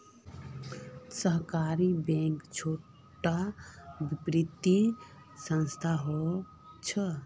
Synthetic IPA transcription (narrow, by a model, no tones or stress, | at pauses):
səɦkaɾibɛ̃ŋkt͡ʃʰo | ʈabipɾit̪ːi | sə̃nst̪ʰaɦɔ | t͡ʃʰə